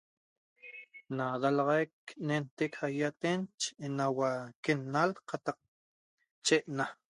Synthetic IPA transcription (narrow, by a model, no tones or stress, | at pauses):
nad̪alɑʁɑjk̚nent̪ekhajat̪ent͡ʃnawakenːalqɑt̪ɑq̚ | t͡ʃeʔna